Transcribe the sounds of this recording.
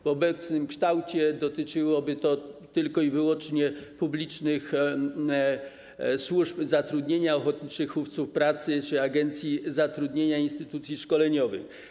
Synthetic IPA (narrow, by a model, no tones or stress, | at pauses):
vɔbɛt̪snɘmkʂt̪awt͡ɕɛd̪ɔt̪ɘt͡ʂɘwɔbɘt̪ɔt̪ɘlkɔivɘwɔnt͡ʂɲɛpublʲit͡ʂnɘx | swuʐpzat̪ɾud̪ɲeɲaɔxɔt̪̚ɲit͡ʂɘxuft̪sufpɾat̪sɘt͡ʂɘaɡɛnt̪sʲjizat̪ɾud̪ɲeɲainst̪ɘt̪ut̪sʲjiʂkɔlɛɲɔvɘ̰x